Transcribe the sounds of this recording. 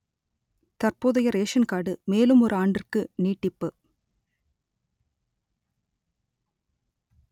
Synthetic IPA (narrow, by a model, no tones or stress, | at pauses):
t̪ɐrpoːðɐjɐɾeːʂɐnkaːɽɯmeːlɯmɔɾɯaːɳɖɪrkɯniːʈːɪpːɯ